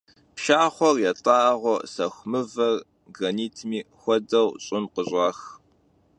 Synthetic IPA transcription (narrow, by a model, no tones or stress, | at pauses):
pʃaːχʷɔrjɛtʼaːʁʷɔsɐxʷmɨvɐr | ɡɐniːtʰmiːxʷɔdɐwɕʼɪmqəɕʼɑːx